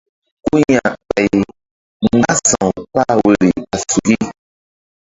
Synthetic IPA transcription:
ku˦ɲa˨k͡pɛ˨j | ŋ˦˨ɡaa˦sɔ̃˨k͡pa˦we˦˨ɾi˨a˨su˨ɡi˦

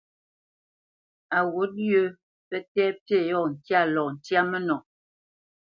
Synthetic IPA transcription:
a˨wo˨˦t̚jo˦ | pɛ˦tɛː˦pe˦˨jɔ˦˨ŋ̩˨kja˦˨lɔ˨n̩˨tja˦mə˦nɔ˨

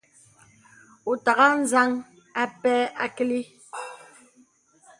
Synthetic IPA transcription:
u˨ta˨ɣa˦n̩˦za˦ŋ | a˦pɛ˦a˦ki˦li˦

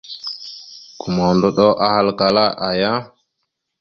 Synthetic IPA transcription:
ku˨ma˨ndo˦ɗo˦ʔa˦ha˦lka˨la˦ʔa˨ja˦

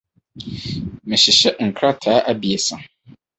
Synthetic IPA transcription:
mɪ̃˨ɕɪ˨ɕɛ˦ŋ̩˨kʰɾa˦tʰaː˨˦ʔa˦bi˨ɛ˨sã˨

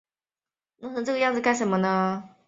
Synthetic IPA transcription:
na˥˩˥n˧˥ʈ͡ʂɤ˥˩ɡə˧jɑ˥˩ŋd͡zɹ̩˧˩ka˥ɪʂə˧˥mə˧nə˧

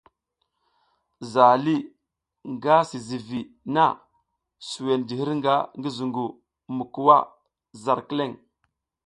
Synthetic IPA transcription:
za˨li˦ | ŋɡa˦si˨zi˨vi˨ | na˦˨ | su˨we˨nd͡ʒi˨hi˦ɾŋɡa˦ŋɡi˦zu˨ŋɡu˨ | mu˨ku˨wa˦ | za˨ɾki˦le˦˨ŋ

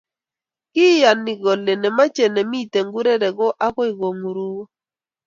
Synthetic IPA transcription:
kɪ˦ja˨ni˨ɡɔ˨le˨ne˨ma˦t͡ʃe˨ne˨mi˦˨te˨ŋɡu˦ɾe˦ɾɛ˨ɡɔ˦ʔa˦kɔ˦ɪ˨ɡo˨ŋu˨ɾu˦

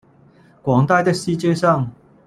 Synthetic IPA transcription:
kwɑ˨˥ŋt̪a˥˧ɪt̪ə˥si˥t͡ɕjɛ˥sɑ˥˨ŋ

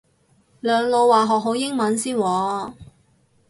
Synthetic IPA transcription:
lœː˨˧ŋlo˧wwaː˨˩ɦɔː˨k̚ɦo˨˥wjɪ˥ŋmɐ˨˥nsiː˥nwɔː˨˧

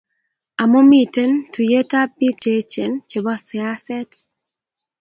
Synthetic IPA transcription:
a˨mo˦mi˨te˦ntu˨je˦ta˦p̚ːi˦t͡ʃe˦t͡ʃe˨nt͡ʃe˨bɔ˦sɪ˨a˦sɛ˦t

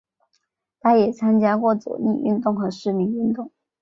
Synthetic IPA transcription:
t̪ʰa˥jɛ˨˩t͡sʰa˥nt͡ɕja˥kwɔ˥˩t͡sɔ̰˨˩ni˥˧y˥˧nt̪ʊ˥˩ŋxɤ˧˥ʂɻ̩˥˩mi˧˥ŋy˥˧nt̪ʊ˥˩ŋ

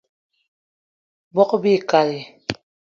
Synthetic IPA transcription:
bɔ˦qbi˦˨ka˨ɾi˨

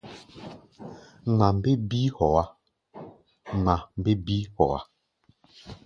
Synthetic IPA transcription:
ŋ͡ma˨m˦be˦bi˦hɔ˨a˦ | ŋ͡ma˨m˨be˦bi˦hɔ̰˨a̰˦

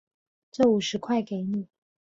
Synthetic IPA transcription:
ʈ͡ʂɤ˥˩u˨˩ʂɻ̩˧˥kʰwa˥˩ɪke˨˧˥ɪni˨˩˦

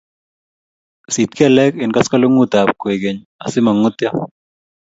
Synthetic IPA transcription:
si˨t̪̚ka˨lɛ˦kɪ˨nka˦ska˦lo˦ŋu˦t̪a˨p̚ko˨e˨ɡe˨ɲ | a̰˨sɪ˦ma˨ŋʊ˦t̪ja˦

